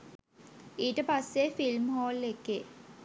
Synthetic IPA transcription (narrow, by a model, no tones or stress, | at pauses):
iːʈəpasːefilmɦoːlːekːeː